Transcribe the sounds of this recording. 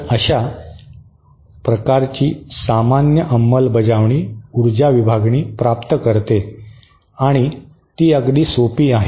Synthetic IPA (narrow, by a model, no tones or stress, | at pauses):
əɕa | pɾəkaɾt͡ɕiːsamanjəʔəmːəlbəd͡zaʋɳiːuɾd͡ʑaʋibʱaɡɳiːpɾap̚t̪əkəɾt̪e | aɽ̃i | t̪iːəɡd̪iːsopiːaɦe